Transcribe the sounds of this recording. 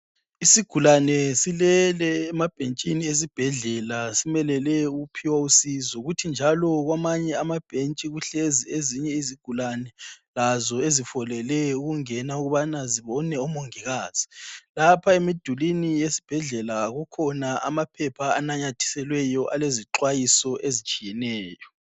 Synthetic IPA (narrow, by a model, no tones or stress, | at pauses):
isiɡ̥ʱulanɛsilɛlɛːmab̥ʱent͡ʃʼinies̬ib̥ʱɛɮɛlasimɛlɛlɛuupʰiwausizɔɣutʰind͡ʒʱalɔɣwamaɲɛamab̥ʱent͡ʃʼiɣuɬezieziɲɛiziɡ̥ʱulanɛlazɔezifɔlɛlɛuɣuŋɛnauɣuβanaziβɔnɛɔmoŋiɣaːz̥i̥lapʰaemid̥ʱulinijesi̥b̥ʱɛɮɛlaɣukʰɔnaa̰mapʰɛpʰaːnaɲatʰi̥sɛlwɛjɔʔaleziǁwajisɔʔezit͡ʃʼijɛnɛːjɔ